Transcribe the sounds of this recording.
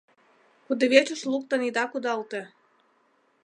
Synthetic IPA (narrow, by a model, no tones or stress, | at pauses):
kud̪ĕβet͡ɕuʃlˠuk̚t̪ə̆nid̪ɑkud̪ɑlt̪ĕ